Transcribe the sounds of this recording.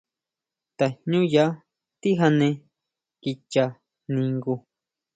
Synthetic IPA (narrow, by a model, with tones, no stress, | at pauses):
t̪a˨ɲɲũ˦ja˧˦ | t̪i˦ɦa˧nẽ˧ | ki˧t͡ʃa˧ | nĩ˧ŋɡu˧